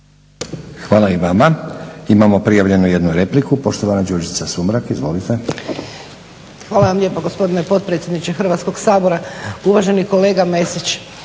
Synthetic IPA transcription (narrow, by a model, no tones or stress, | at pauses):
xʋaːlaiʋamaimamo̞pɾijaʋʎe̞nuje̞d̪nuɾe̞plikupo̞ʃt̪oʋanad͡ʒoɾd͡ʒit̪sasumɾakizʋo̞̰lit̪e̞ | xʋaːlaʋamlʲʎepoɡospo̞d̪ine̞po̞t̪̚pɾet̪sjed̪nit͡ɕexr̩ʋat̪sko̞ɡsaːbo̞ɾauʋaʒe̞niko̞le̞ːɡame̞sit͡ʃ